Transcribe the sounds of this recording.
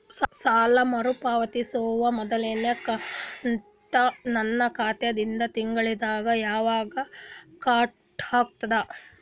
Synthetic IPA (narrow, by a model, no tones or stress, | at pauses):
ssaːlɐmɐɾupaːʋɐt̪isoːʋɐmɔd̪ɐleːnekɐn | t̪ɐnɐnːɐkʰaːt̪jɐd̪ind̪ɐt̪iŋɡɐɭid̪aːɡɐjaːʋaːɡɐkaː | ʈaːk̚t̪ɐd̪ɐ